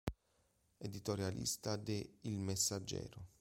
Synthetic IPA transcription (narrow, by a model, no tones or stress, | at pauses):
ed̪it̪oɾjalḭst̪ad̪eilmesːad͡ʒːɛ̰ːɾʊ